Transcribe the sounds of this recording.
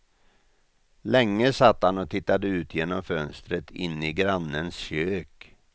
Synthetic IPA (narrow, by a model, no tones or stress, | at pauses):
lɛŋːəsat̪ːhanɔt̪ʰɪt̪ːad̪əʉ̟ːt̪ʰjeːnɔmfœnst̪ɾət̪ɪnːɪɡɾanːənsɕøːk